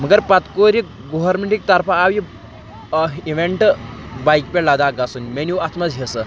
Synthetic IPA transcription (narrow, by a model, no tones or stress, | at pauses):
məɡəɾpat̪koɾi | ɡoʋəɾmeɳʈik̚t̪aɾpaːʋi | iʋeɳʈbajkpelad̪aɡasunmenuat̪mad͡zɦesə